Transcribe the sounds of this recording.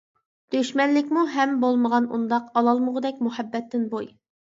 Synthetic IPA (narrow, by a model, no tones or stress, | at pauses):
d̪̥øʃmɛnlɪkʲmuɦɛmbolˠməʁɑnṵnd̪ɑqɑlˠɑlˠməʁəd̪ɛk̚ʲmuhɛbːɛt̪ːɪnboj